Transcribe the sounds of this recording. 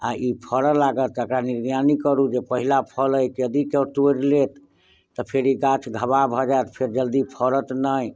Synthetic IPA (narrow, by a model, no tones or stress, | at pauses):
a̰ipʰəɾəlaɡət̪əkɾaniɾɡjanikəɾud͡ʒepəɦilapʰələjkjəd̪ikeʈoɾlet̪ː | ɔpʰeɾiɡat͡ʃʰɡʱəbabʱɔd͡ʒaet̪pʰeɾd͡ʒəld̪ipʰəɾət̪nəj